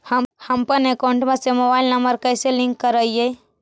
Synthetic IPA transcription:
həhəmpənekaʊ̃ɳʈmẽsemobaːɪlnəmbəɾkəɪselĩŋkːəɾəie

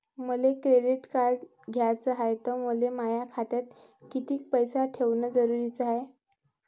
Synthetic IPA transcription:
məlekɾeɖiʈkaɾɖ | ɡʱjat͡səɦaet̪əməlemajakʰat̪jat̪̚ | kit̪iːk̚pəjsaʈʰeʋnəd͡zəɾuɾiːt͡saɦe

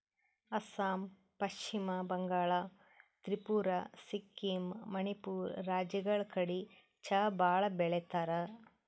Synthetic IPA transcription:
ɐsaːm | pɐʃt͡ʃimɐbɐŋɡaːɭa | t̪ɾipuːɾasikːimmɐnipuːɾːaːd͡ʒɐɡɐɭkɐɽi | t͡ʃɐbaːɭɐbɛɭet̪aːɾɐ

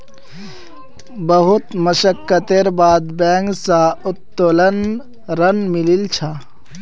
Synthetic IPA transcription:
bəɦʊt̪məʃəkːət̪eɾbaːd̪bɛ̃ːŋɡsaʊt̪ːolən | ɾənmɪlilt͡ʃʰa

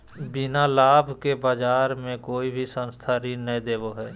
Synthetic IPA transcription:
bɪnalaːbʱkebaːd͡ʒaːɾmẽkoːibʱisə̃nst̪ʰaɾinəɦĩd̪eːboɦɛː

